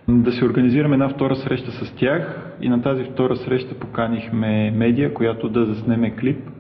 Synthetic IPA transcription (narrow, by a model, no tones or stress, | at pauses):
d̪ɐsioɾɡɐniziɾɐmɛd̪naft̪ɔɾəsɾɛʃt̪əsɐst̪ʲjax | ḭnɐt̪azift̪ɔɾəsɾɛʃt̪ə̥pokanixmɛmɛd̪ijəkojat̪od̪ɐzɐsnɛmɛklip̚